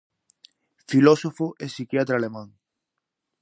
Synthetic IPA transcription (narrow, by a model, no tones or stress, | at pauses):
filɔsofoʔesikjat̪ɾalemãŋ